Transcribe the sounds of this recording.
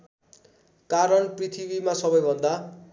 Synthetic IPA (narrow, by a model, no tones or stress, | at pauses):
kaɾʌnprit̪ʰibimasʌbʌjbʱʌnd̪a